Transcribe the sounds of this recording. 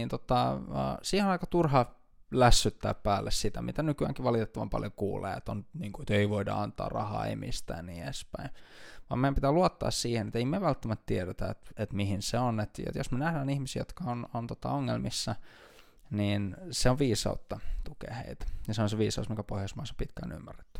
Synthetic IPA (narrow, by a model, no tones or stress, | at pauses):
int̪ot̪ɑə̰siːhenɑikɑt̪urhɑ | læsːyt̪ːæ̰ːppæːlːessit̪æmʔḭt̪ænykyæ̰ŋkiʋʋɑlit̪et̪ːɑʋɑ̰mpɑ̰ljokṵːlḛːḛt̪ːonniːŋkuet̪eiʋoidɑ̰ɑnt̪ɑ̰ːrɑ̰hɑ̰ːḛmḭst̪æ̰ːniespæinʋɑ̰ːmeæmpit̪æluot̪ːɑ̰ːssiːhenet̪eimeʋælt̪ːæmæt̪t̪ieɾet̪æḛt̪et̪mihinseonet̪ḛt̪josmenæhdæːnihmisiːjot̪kɑonont̪ot̪ɑ̰oŋːelmisːɑ | niːnseoʋʋiːsɑ̰ut̪ːɑt̪ukḛːhḛit̪æ̥jɑseonseʋiːsɑusmiŋkæpohjɑsmɑsɑ̥pit̪kæo̰nymːærːe̥t̪ːy̥